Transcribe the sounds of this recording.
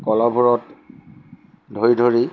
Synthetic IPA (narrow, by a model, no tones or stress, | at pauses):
kɔlɔbʱuɹɔt | dʱoɹidʱoɹi